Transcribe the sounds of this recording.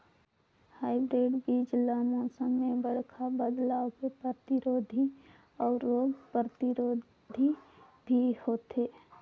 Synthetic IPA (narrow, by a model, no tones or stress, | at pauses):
haːɪbɾeːɖbid͡ʒlamɔ̃ːsəmːebəɽkʰabəd̪laːwkepət̪ɪɾoːd̪ʱi | ɔːɾɾoːɡpət̪ɪɾoː | d̪ʱi | bʱihoːt̪eː